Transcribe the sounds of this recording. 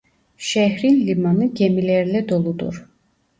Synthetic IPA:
ʃæɦɾinlimanɯɟemilæɾlɛd̪o̞lˠud̪ṵɾ̥

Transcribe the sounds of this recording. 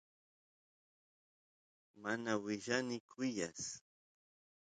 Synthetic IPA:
manawɪʒanɪkʰʊjas

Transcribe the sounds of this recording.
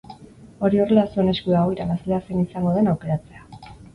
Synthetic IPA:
o̞ɾio̞re̞lasuene̞skuaoiɾaβasleasenisaŋɡo̞ð̞e̞nawke̞ɾat͡se̞a

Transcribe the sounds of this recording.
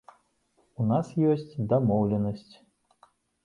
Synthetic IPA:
unasjɔsʲt͡sʲd̪amɔwlʲɛnəsʲt͡sʲ

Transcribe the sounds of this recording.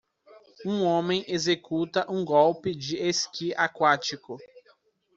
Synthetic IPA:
ũõmẽj̃ʔezekut̪ɐʔũɡɔwpɪd͡ʒɪeskiakwat͡ʃikʊ

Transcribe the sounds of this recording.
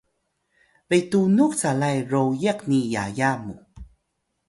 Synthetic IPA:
vejtunukt͡salajɾowjeqnija̰jamṵ

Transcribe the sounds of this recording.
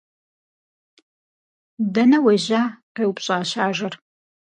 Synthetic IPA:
dɐnɐweʑaːqeːwʊpɕʼaːɕaːʒɐr

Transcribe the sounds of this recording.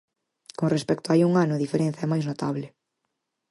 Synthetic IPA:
koŋrespɛkt̪oaajuŋanʊðifeɾẽn̟θaɛmajznot̪aβlɪ

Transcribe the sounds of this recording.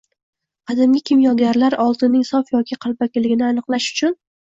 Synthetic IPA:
qʰɑd̪amɡʲɪkʲʰɪmjɒɡʲaɾlaɾɒlˠt̪ɪnːɪŋsɒfjɒkʲʰɪqʰɑlˠbakʲɪlɪɡʲɪnɪanɨqlˠaʃʊ̥t͡ʃʰʊn

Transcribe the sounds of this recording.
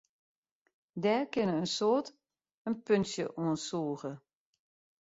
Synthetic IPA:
dɛːrkɪnəənsoːt | ənpønsjə̰ʔoənsuːəɣə

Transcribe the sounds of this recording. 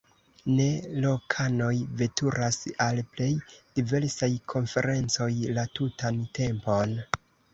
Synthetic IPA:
ne̞lo̞kʰano̞jve̞tʰuɾasalple̞jd̥ive̞ɾsajkʰo̞nfe̞ɾe̞nt͡so̞jlatutante̞mpo̞n

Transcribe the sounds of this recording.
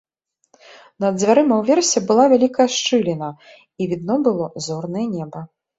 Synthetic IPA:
nɐd̪zʲvʲaɾɨmɐwvʲɛrsʲɛbɨlˠavʲalʲikɐjɐʂt͡ʂɨlʲinɐ | ivʲid̪̚nɔbɨlˠɔzɔrnɐjɛnʲɛbɐ

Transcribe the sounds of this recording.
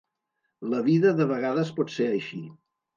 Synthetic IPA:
ləβiðəðəβəɣ̞aðəspɔt̪seəjʃi

